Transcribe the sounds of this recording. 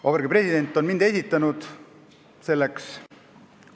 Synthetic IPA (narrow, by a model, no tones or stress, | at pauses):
operɡipre̞sʲid̪e̞nʲt̪ːˑo̞nmind̪e̞sʲit̪ːˑɑnud̪̥ | se̞lːeks